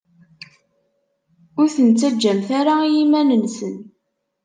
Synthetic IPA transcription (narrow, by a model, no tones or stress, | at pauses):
ʊɾθənt͡sːæd͡ʒːæmθaɾaijimænənsən